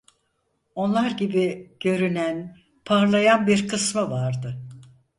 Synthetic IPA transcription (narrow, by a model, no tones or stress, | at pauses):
o̞nlˠaɾɟibiɟ̥ø̞ɾynæn | pʰaɾlˠajanbiɾkʰɯsmɯvaɾd̪ɯ